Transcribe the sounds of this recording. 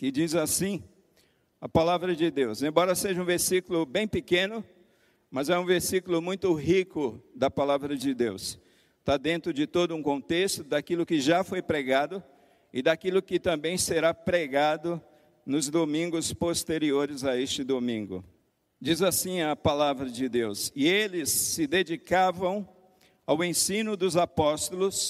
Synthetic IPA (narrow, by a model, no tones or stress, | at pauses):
kɪd͡ʒizasĩ | ɐpalavɾɐd͡ʒɪd̪ewzẽbɔɾɐseʒɐũveɾsikulʊbẽj̃pɪkẽnʊ | mɐzɛũveɾsikulʊmũj̃t̪ʊɦikʊd̪ɐpalavɾɐd͡ʒɪd̪ews | t̪ad̪ẽnt̪ɾʊd͡ʒɪt̪od̪ʊũkõnt̪est̪ʊd̪akilʊkɪʒafojpɾeɡad̪ʊ | ɪd̪akilʊkɪt̪ɐ̃mbẽj̃seɾapɾeɡad̪ʊ | nʊzd̪omĩŋɡʊspost̪eɾioɾɪzaest͡ʃɪd̪omĩŋɡʊ̰ | d͡ʒizasĩɐpalavɾɐd͡ʒɪd̪ewsɪelɪsːɪd̪ed͡ʒikavɐ̃w̃ | awẽsĩnʊd̪ʊzapɔst̪ʊlʊs